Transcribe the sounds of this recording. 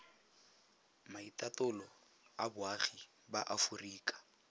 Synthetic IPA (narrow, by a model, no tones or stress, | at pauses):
maitʼatʼʊlɔ | abʊaχi | baʔafuriːkʼḁ